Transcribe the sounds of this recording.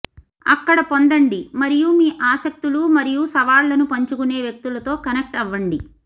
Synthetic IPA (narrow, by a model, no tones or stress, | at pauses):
ɐ̰kːɐɽɐpo̞nd̪ɐɳɖimɐɾijumiːʔaːsɐk̚t̪ulumɐɾijusɐʋaːlːɐnupɐɲt͡ʃukune̞ːʋjɐk̚t̪ulɐt̪o̞ːkɐnek̚ʈɐʋːɐɳɖi